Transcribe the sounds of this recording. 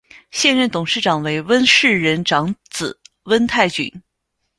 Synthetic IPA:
ɕjɛ˥˧nɻə˥˩nt̪ʊ˨˩ŋʂɻ̩˥˩ʈ͡ʂɑ˨˩ŋwe˧˥ɪwə˥nʂɻ̩˥˩ɻə˧˥nʈ͡ʂɑ˧˥ŋt͡sɹ̩˨˩˦ | wə˥nt̪ʰa˥˩ɪt͡ɕy̰˨˩˥n

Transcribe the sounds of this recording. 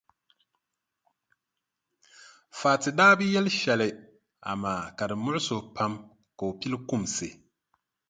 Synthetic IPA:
faː˨tɪ˨daː˦bɨ˦jɛ˦lʃɛ˨lɪ˨ | a̰˨maː˨ka˨dɨ˨mʊ˦ʊ˦so˨pʰa˦m | ka˨o˨pi˦lkʊ˦˨msɨ˨

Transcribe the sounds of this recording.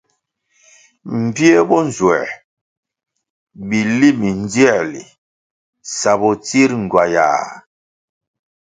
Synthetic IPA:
m̩˨bje˦bɔ˦n˨zwɛ̰˨ | bi˨li˦mi˨n˦d͡zɛ˦˨lḭ˨ | sa˨bɔ˨t͡si˦ɾŋ˨ɡwa˨ja̰ː˨

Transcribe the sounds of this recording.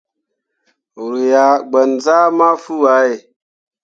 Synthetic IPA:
ɾu˨ja˨ɡ͡bə˨nza˦ma˦fu˦wa˨˦je˨

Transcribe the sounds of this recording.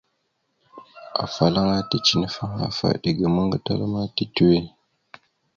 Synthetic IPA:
a̰˨fa˨la˦ŋa˦ti˦t͡ʃi˦nə˨fa˦ŋa̰˦fa̰˨ɗə˨ɡə˨mə˦ŋ˦ɡə˦ta˦lma˦ti˦tu˦we˦n˨

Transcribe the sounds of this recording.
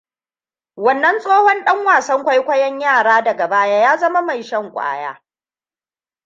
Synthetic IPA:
wɐ˨nːɐ˦nsʼoː˦hɔ˦nɗɐ˦ŋwaː˨sɐ˦ŋkʷa˦jkʷɐ˦jɐ˦ɲjaː˦˨ɽaː˦dɐ˨ɡɐ˨baː˦jaː˦jaː˦zɐ˦ma˦ma˨jʃɐ˦ŋkʷʼa̰ː˦ja̰ː˦

